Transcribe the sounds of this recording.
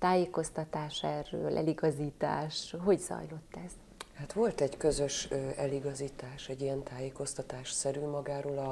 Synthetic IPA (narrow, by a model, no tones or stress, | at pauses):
t̪aːjeːko̞st̪ɒt̪aːʃɛrøːlʔɛ̰liɡɒziːt̪a̰ːʃɦo̞ɟz̥ɒ̰jlo̞t̪ːɛz̥ | hat̪ʋo̞lt̪ɛɟkøzø̞ʃøɛliɡɒziːt̪aːʃɛɟiɛnt̪ʰaːjeːko̞st̪ɒt̪aːʃsɛɾyːmɒɡaːɾoːlɒ